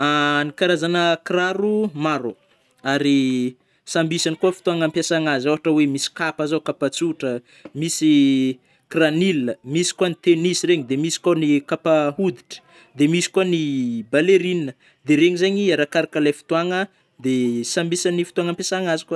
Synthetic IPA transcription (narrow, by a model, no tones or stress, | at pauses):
anikaɾazanəkraɾumaɾo | aɾi | sambisanikuəfi̥t̪uaŋampjasaŋazoɦaʈ͡ʂəwemisi̥kapazakapat͡suʈ͡ʂə | misi | kraniləmisi̥kuanit̪enisireɲid̪emisi̥kanikapaɦud̪i̥ʈ͡ʂə̥ | d̪emisi̥kuanibaleɾinnə | d̪eɾeɲizaɲiaɾakaɾakalajfi̥t̪uaŋə | d̪esambisanifi̥t̪uaŋampjasaŋazika